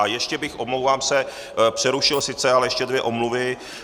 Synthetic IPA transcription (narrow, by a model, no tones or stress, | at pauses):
ajɛʃcɛbɪxʔomlowvaːmsɛ | pr̝̥ɛɾuʃɪlsɪt͡sɛalɛjɛʃcɛdvjɛʔo̞mluvɪ